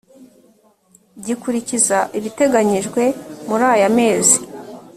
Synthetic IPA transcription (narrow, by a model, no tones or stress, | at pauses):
ɟikuɾicizaʔiβite̞ɡaɲiʒɡwe̞muɾaːjame̞ːzi̥